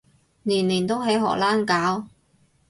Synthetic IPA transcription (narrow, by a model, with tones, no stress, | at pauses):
niː˨˩nliː˨˩nt̪o˥wɦe˨˥jɦɔ̰ː˨k̚laː˥nkaː˨˥w